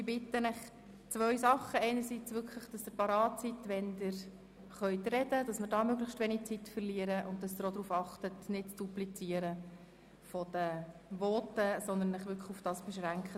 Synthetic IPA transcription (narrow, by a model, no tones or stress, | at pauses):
ɪbɪt̪ənɪχ | t͡sʋœʏsɑχəɛɪnəɾsit͡sʋʏkʰləχd̥ɑsd̪̥ɪpɑɾɑːt̚t͡sit̪ʋɛndɪɾ | χœʏt̪rɛdəd̥ɑsmɪɾdɑːmøɡlɪχʃtʋɛnit͡sitːfərliəɾəʔʊnt̚d̥ɑsd̪ɪɾod̪ɾuːfɑχtətnɪtt͡sd̥uplit͡siəɾə | fɔd̥əʋɔːtəsɔnd̪ənləχʋʏkʰχufd̥ɑːsb̥ɛʃʁæŋkχə